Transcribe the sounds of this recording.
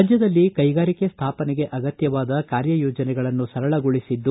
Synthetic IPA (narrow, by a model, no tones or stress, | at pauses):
d͡ʒjɐd̪ɐlːikɐjɡaːɾike̞st̪ʰaːpɐnɛɡe̞ʔɐɡɐt̪jɐʋaːd̪ɐkaːɾjɐjoːd͡ʒɐnɛɡɐɭɐnːusɐɾɐɭɐɡoɭisid̪ːu